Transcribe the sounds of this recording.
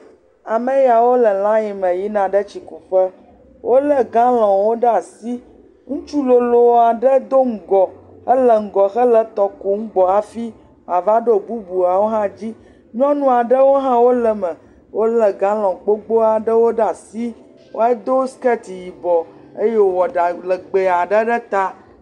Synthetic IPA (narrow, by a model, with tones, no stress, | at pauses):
a˨mə̃˦ja˨wo˦lə˨lã˦ji˨mə̃˨ji˦nã˨ɖə˦t͡ʃi˨ku˨ɸə˦ | wʔo˦lə˦ɡã˦lɔ̃˨wo˦ɖə˦a˨si˦ | ŋũ˦t͡ʃu˦lo˨lo˨wa˨ɖə˦d̪o˦ŋ̩˦˨ɡɔ˨ | ə˦lə˨ŋ̩˨ɡɔ˨xə˦lə˨t̪ɔ˨ku˨ŋ̩˦ɡ͡bɔ˨a˨fi˦ | a˨va˦ɖo˦˨bu˦bu˨a˨wo˦ɦã˦d͡ʑi˦ | ɲɔ̃˦nũ˦a˨ɖə˦wo˦ɦã˦wo˦lə˨mə˨ | wo˦lə˨ɡã˦lɔ̃˨k͡po˦ɡ͡bo˦a˨ɖə˦wo˦ɖa˨si˦ | wʔo̰˦a˦d̪o˦skɛ˦t̪i˨ji˨bɔ˨e˦je˦wo˨wɔ˨ɖa˨lə˨ɡ͡be˨a˨ɖə˦ɖə˦t̪a˦